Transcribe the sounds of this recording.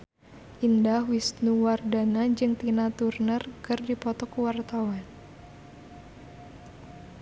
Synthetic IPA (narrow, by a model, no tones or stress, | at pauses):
ʔindahwisnuwardanad͡ʒɨŋt̪inat̪urnərkɨrdipɔt̪ɔkuwart̪awan